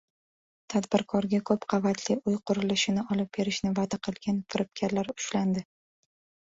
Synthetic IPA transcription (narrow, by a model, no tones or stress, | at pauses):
t̪ʰad̪bɪɾkʰɒɾɡʲakʰɵpqʰɑvat̪ʰliʊjqʰʊɾɪlɪʃɪnɪɒlɪp̚b̥e̞ɾɪʃnɪvad̪aqʰɨlˠɡʲanfɪɾɪp̚kʲʰaɾlaɾʊ̥ʃland̪ɪ